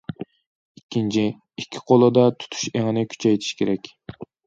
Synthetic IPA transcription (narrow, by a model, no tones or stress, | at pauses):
ikʲːint͡ʃʰi | ikʲʰːi̥qʰolˠɨd̪ɑt̪ʰu̥t̪ʰu̥ʃeŋɪnɪkʲʰy̥t͡ʃʰɛjt̪ʰi̥ʃkʲeɾɛkʲ